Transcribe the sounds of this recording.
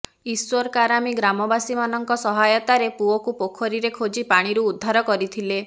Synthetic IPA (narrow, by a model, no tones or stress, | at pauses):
iswɔɾkaɾamiɡɾamɔbasimanɔŋkɔsɔɦajɔt̪aɾepuɔkupokʰɔɾiɾekʰod͡ʒipaɽ̃iɾuːd̪ʱːaɾɔkɔɾit̪ʰile